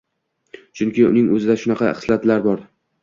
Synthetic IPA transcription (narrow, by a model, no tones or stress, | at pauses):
t͡ʃʰʊŋkʲɪʊ̰nɪŋɵzɪd̪aʃʊnɑqʰɑχɨ̥slat̪laɾbɒɾ